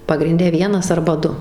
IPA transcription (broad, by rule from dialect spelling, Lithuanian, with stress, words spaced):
pɐɡrʲɪnʲˈdʲɛ ˈʋʲiɛnɐs ɐrbɐ ˈdʊ